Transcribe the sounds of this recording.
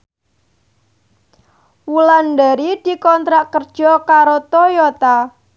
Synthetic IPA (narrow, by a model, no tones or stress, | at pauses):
wulanɖaɾid̪̥i̤kɔnt̪ɾaʔkərd̥ʒ̥ɔkaɾot̪ojot̪a